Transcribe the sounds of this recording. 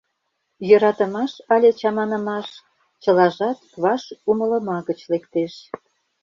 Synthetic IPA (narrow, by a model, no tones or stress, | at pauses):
jøɾɑt̪ə̆mɑʃɑlʲet͡ɕɑmɑnə̆mɑʃ | t͡ɕə̆lɑʒɑt̪kβɑʃumə̆lə̆mɑɣət͡ɕlekt̪eʃ